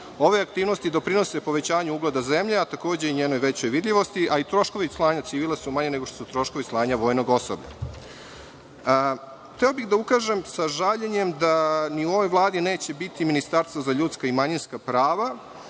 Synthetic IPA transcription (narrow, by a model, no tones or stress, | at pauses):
o̞ʋeak̚t̪iːʋnost̪id̪o̞pɾino̞sepo̞ʋe̞t͡ɕaːɲuuɡlˠod̪aze̞mʎeat̪ako̞ːd͡ʑe̞iɲeːno̞jʋet͡ɕo̞jʋid̪ʎʲiʋo̞st̪iʔait̪ɾo̞ʃko̞ʋislˠaːɲat̪siʋiːlˠasumaɲeneɡoʃt̪osut̪ɾo̞ʃkoʋislˠaːɲaʋo̞ːjno̞ɡo̞so̰bʎa̰ | xt̪eobixd̪aukaːʒe̞msaʒaʎeɲemd̪aniuo̞ʋo̞jʋlˠaːd̪ineːt͡ɕebit̪iminist̪aɾst̪vozaʎut̪skaimaɲinskapɾaːʋa